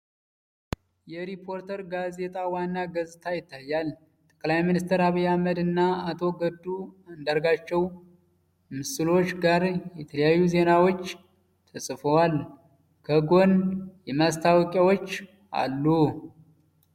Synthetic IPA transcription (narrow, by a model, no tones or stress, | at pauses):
jɛɾipʰo̞ɾt̪ʰəɾɡaze̞t̪ʼawanːaɡəzt̪ʰajɪt̪ʰːajːal | t̪ʼə̥kʼlajminist̪ʰəɾaβijːaməd̪ɨnːaat̪ʰo̞ɡəd̪ːuɨnd̪əɾɡat͡ʃːɛw | mɨsɨlo̞t͡ʃːɡaɾjɛt̪ʰələjajːuze̞nawo̞t͡ʃː | t̪ʰəsʼfəwal | kʰəɡo̞njɛmast̪ʰawkʼjawot͡ʃː | ʔa̰lːu